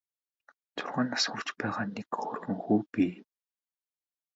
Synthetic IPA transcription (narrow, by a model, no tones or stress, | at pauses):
t͡sʊrʁaːnːasxukt͡ɕpæːʁaːnekxoːrɣɵ̆ŋxuːpiː